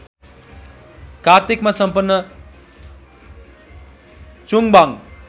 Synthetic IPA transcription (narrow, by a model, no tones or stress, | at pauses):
kart̪ikmasʌmpʌnːʌ | t͡suŋbaŋ